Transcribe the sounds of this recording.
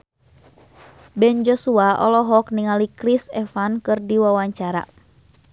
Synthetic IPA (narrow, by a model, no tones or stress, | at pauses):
bɛnd͡ʒɔsuaʔɔ̰lɔɦɔk̚niŋalikɾisɛfankɨrdiwawaɲt͡ʃaɾa̰